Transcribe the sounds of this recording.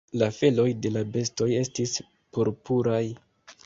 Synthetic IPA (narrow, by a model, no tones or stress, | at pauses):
lafe̞lo̞jde̞labe̞sto̞je̞stis | poɾpuɾaj